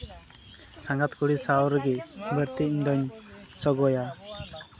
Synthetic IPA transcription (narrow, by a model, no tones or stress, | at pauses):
saŋɡat̪kuɽisawɔɾɡɛbəɾt̪iiɲd̪ɔɲsɔɡɔja